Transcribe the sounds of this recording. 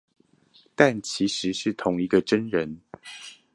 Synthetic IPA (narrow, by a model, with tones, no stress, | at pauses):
t̪a˥˩nt͡ɕʰi˨˥ʂɻ̩˨˦ʂɻ̩˥˩t̪ʰʊ˨˦ŋi˧˥ɡə˧ʈ͡ʂə˦nɻə˨˦n